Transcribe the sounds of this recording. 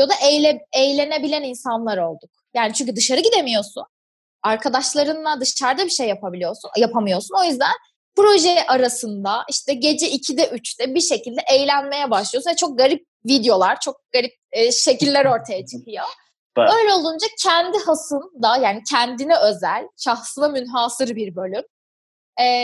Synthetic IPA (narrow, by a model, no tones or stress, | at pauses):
jo̞d̪aʔejlʲe̞ne̞bilʲæninsanlˠaɾo̞lˠd̪uk̚jaːnit͡ʃʰyɲʲcʰyd̪ɯʃaɾɯɟid̪e̞mijo̞sṵn | aɾkʰad̪aʃlˠaɾɯnlˠad̪ɯʃt͡ʃʰaɾd̪abiʃejːapʰabilʲijo̞ɾsunjapʰamɯjo̞suno̞jyzd̪æn | pɾo̞ʒɛʔaɾasɯnd̪aʔiʃt̪ʰɛɟe̞d͡ʒɛicʰid̪ɛʔyt͡ʃt̪ɛbiɾʃe̞cilʲd̪ɛʔejlʲænme̞jɛbaʃlˠɯj̪unvɛt͡ʃʰo̞k̚ɡaɾip̚ | vid̪jo̞lˠaɾt͡ʃʰo̞k̚ɡaɾip̚ːʃe̞cilʲːæɾo̞ɾt̪ʰajat͡ʃʰɯ̥kʰɯjo̞ | ø̞jlʲɛo̞lˠd̪und͡ʒacʰɛnd̪ihasɯnd̪ajaːnicʰɛnd̪inɛø̞zælʲʃaxsɯnamynɦaːsɯɾbiɾbø̞lʲym | ɛː